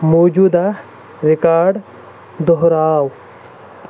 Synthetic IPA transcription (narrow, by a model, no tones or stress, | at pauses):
moːd͡ʒuːd̪a | ɾɪkaːɖ | d̪ɔɦɾaːw